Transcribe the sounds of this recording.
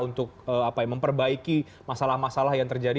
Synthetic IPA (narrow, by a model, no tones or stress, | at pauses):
unt̪ʊk̚əːapaməmpərbaiki | masalahmasalahjaŋt̪ərd͡ʒadi